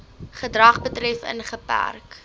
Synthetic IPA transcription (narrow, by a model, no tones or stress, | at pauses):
χədrɐχbətrɛfə̰nχəpæ̰rk